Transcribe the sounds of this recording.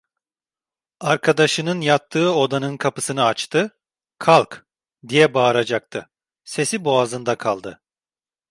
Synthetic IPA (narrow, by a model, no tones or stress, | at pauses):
aɾkʰad̪aʃɯnɯnjat̪ʰːɯːo̞d̪anɯnkʰapɯsɯnɯat͡ʃt̪ʰɯ | kʰalˠk | d̪ijɛbaːɾad͡ʒak̚t̪ʰɯ | se̞siboazɯnd̪akʰalˠd̪ɯ